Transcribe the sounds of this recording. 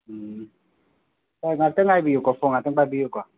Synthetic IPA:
aŋateŋabijokɔfoŋatɛŋbabijokɔ

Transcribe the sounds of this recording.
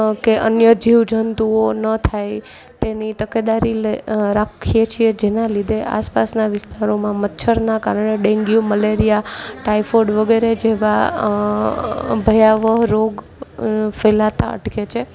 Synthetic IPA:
keʔənjəd͡ʒiʋd͡ʒʱənt̪uonət̪ʰaj | t̪enit̪əked̪aɾileɾakʰijet͡ʃʰied͡ʒenãlid̪ʱeʔa̰spasnaʋɪst̪aɾomãmətːʃʰəɾnakaɾəɳ̃eɖẽŋɡjoməleɾijaʈaifoɖʋəɡeɾed͡ʒeʋa | bʱəjaʋəɦɾoɡ | felat̪a̰ə̰ʈket͡ʃʰe

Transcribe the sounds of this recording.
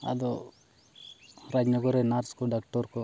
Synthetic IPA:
ɐ̰d̪u | ɾad͡ʒnɐɡoɾenaːɾskuɖak̚ʈoɾku

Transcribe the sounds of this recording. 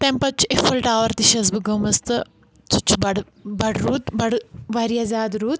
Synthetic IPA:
t̪ɐmpɐt͡ʃʰːefɐlʈaːʋɐɾt̪iʃɐzbɨɡɐmɐst̪ɨ | t͡sut͡ʃʰːubɐɽ | bɐɽɾuːt̪bɐɽʋɐɾijɐzaːd̪ɾuːt̪̚

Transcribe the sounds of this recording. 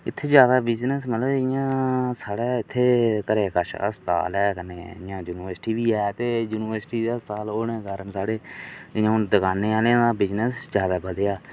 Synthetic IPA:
ɪt̪ʰːeːd͡ʒjaːd̪aːbɪznəsmət̪ləbɪjãːsaːɽɛːɪt̪ʰːeːkəɾeːkəʃə̰st̪a̰ːlɛːkəneːɪjãːd͡ʒuːnɪʋəɾsʈiːʋiːɛːt̪eːjuːnɪʋəɾsʈiːd̪eəst̪aːloːnẽːkəɾmsaːɽeːɪjãːʊnd̪əkaːneːaːleãːd̪aːbɪznəsd͡ʒjaːd̪aːbəd̪jaː

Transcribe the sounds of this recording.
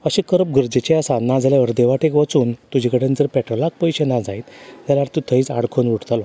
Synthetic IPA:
əɕẽkəɾəp̚ɡəɾd͡ʑet͡ɕeasanad͡zaljaʋəɾd̪eʋaʈekʋət͡suːnt̪ud͡ʑʱikəɽẽnd͡zəɾpɛʈɾəlak̚pəjɕenad͡zajt̪jalaɾt̪ut̪ʰəɦit͡sa̰ɽkʰonʋuʈt̪alɔ

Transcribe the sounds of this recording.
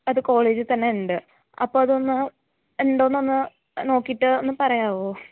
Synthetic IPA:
ɐðɨko̞ːɭeːd͡ʑɨt̪ɐnːe̞uɳɖɨ | ɐpːo̞ːɐðo̞nːɨ | eɳɖonːo̞nːɨ | no̞ːkːiiʈːɨonːɨpɐrɐjaːʋoː

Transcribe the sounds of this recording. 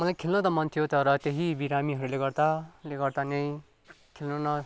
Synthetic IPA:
mʌlajkʰelnʌt̪ʌmʌnt̪ʰijot̪ʌɾʌt̪eɦibiɾamiɦʌɾuleɡʌrd̪aleɡʌrd̪anej̃ | kʰelnʌnʌ

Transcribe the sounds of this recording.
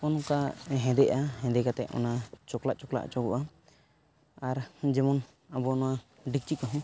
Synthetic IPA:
ɔnɔkaɦɛ̃d̪ɛʔaɦɛ̃d̪ɛkat̪ɛ̰ʔɔ̰nat͡ʃɔkla̰ʔt͡ʃɔkla̰ʔt͡ʃɔɡɔ̰ʔa | aɾd͡ʒɛmɔn | abɔnɔwa | ɖik̚t͡ʃikɔɦɔ̃

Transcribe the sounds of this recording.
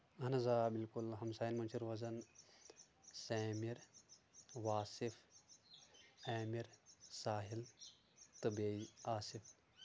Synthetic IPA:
ɐnɐzaːbilkulɦɐmsaːjinmɐnt͡ʃʰiɾʋɐzɐn | sɛːmiɾ | ʋaːsif | ɛːmiɾsaːɦil | t̪ɨbeːiaːsif

